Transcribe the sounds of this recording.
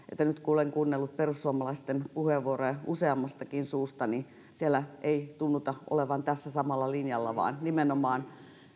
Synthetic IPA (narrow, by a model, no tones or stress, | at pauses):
ḛt̪ːænyt̪kuoleŋkuːnːelːut̪̚perusːuɑmɑlɑist̪enpuheʋːuorojɑuseɑmːɑst̪ɑkinsuːst̪ɑni | sielæeit̪unːut̪ɑʔo̰leʋɑnt̪æsːæsɑmɑlːɑlinjɑlːɑ̰ʋɑ̰ːnnimenomɑːn